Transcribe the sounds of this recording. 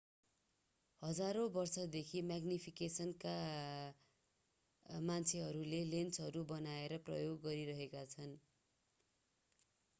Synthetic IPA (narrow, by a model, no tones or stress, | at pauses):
hʌd͡zaɾõbʌrsʌd̪ekʰimaɡnipʰikesʌnka | mant͡sʰeɦʌɾulelent͡sɦʌɾubʌnaeɾʌprʌ̰joɡːʌɾiɾʌɦekat͡sʰʌn